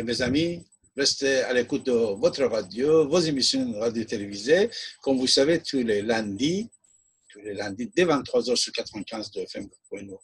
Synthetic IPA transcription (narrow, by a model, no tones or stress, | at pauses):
mezami | ʁɛst̪ealekut̪̚d̪əvɔt̪χəʁad̪jovozemisjɔ̃ʁad̪jot̪elevizekɔmvusavet̪ulelɛ̃d̪i | t̪ulelɛ̃d̪id̪evɛ̃nt̪ːχwazœʁsyʁkʲat̪ʁ̥əvɛ̃kʲɛ̃zd̪əɛfɛmpwɛ̃no